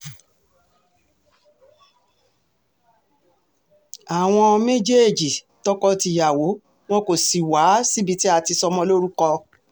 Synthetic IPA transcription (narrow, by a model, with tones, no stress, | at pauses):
a˨w̃ɔ̃˧me˦d͡ʒe˦˨d͡ʒi˨ | tɔ˦kɔ˦˧ti˧ja˨wo˨˦ | w̃ɔ̃˦ko˨si˨wa˨˦si˦bi˦˧ti˦a˧ti˧sɔ˧mɔ̃˧lo˦ɾu˦kɔ˧